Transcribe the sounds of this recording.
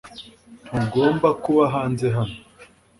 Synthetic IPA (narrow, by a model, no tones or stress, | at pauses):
tʰuɡoːmbakuβaɦaːnze̞ɦano